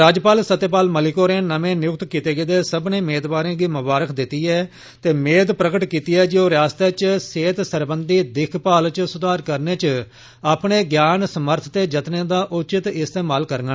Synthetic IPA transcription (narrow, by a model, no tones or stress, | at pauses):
ɾaːd͡ʒpaːlsət̪ːeːpaːlməlɪkoːɾẽːnəmẽːnɪjʊk̚t̪kiːt̪eːɡed̪eːsəbnẽːmeːd̪baːɾẽːɡiːmʊbaːɾəkʰd̪ɪt̪ːiːɛː | t̪eːmeːd̪pɾəkəʈkiːt̪iːɛːd͡ʒoːɾaːst̪eːt͡ʃseːt̪səɾbənd̪iːd̪ɪkʰpaːlt͡ʃsʊd̪aːɾkəɾneːt͡ʃ | aːpɳeːɡjaːnsəməɾt̪ʰt̪eːd͡ʒət̪nẽːd̪aːʔʊt͡ʃɪt̪ɪst̪eːmaːlkəɾɡə